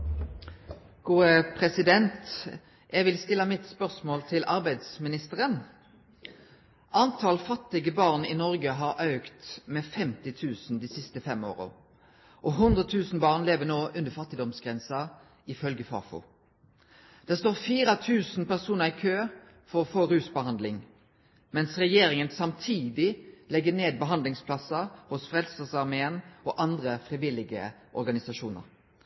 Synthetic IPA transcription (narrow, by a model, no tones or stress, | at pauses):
ɡ̥uːəpʰʁɛsɪd̪ɛnt̪ | jɛʋɪlst̪ɪlːɑmɪt̪spœʁsmoːlt̪ʰɪlʔɑʁbæɪd̪smɪnɪst̪əʁən | ʔɑnt̪ʰɑlfɑt̪ːɪɡəbɑːʁnɪnɔʁɡəɦɑʁʔɑʉkt̪mɛfɛmt̪ɪt̪ʰʉːsn̩d̪iːsɪst̪əfɛmo̰ːʁə̰ | ʔɔɦʉnd̪ʁət̪ʰʉːsn̩bɑːʁnleːʋənoːʔʉnd̪əfɑt̪ːɪd̪ɔmsɡ̥ʁɛnsɑ | ɪfœlɡəfɑ̰ːfʊ̰ | d̪̥æːʁst̪oːʁfiːɾɑt̪ʰʉːsnpæʁsuːnəʁɪkʰøː | fɔʁɔfoːɾʉːsbəhɑnd̪lɪŋ | mɛnsʁɛjeːɾɪŋənsɑmt̪ʰiːd̪ɪlɛɡːəneːd̪̚bəɦɑnd̪lɪŋspʰlɑsɑhʊsfʁɛlsəsɑʁmeːənɔʔɑnd̪ʁəfʁiʋɪlɪɡəʔɔɾɡɑnɪsɑʃuːnə̰ʁ